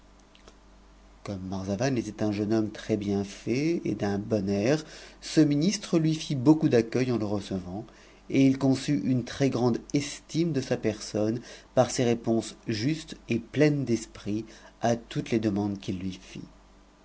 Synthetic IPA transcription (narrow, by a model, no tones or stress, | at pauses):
kɔmːaʁzavanet̪ɛt̪ɛ̃ʒənɔmt̪χɛbjɛ̃fɛḛd̪ɛ̃bɔnɛʁsəminist̪χəlɥifibokud̪akʲœjɑ̃ləʁəsəvɑ̃ | eilkɔ̃syʔynt̪χɛɡʁɑ̃d̪ɛst̪imd̪əsapɛʁsɔnpaʁseʁepɔ̃sʒyst̪eplɛnd̪ɛspχiat̪ut̪led̪əmɑ̃d̪kʲilːɥifḭ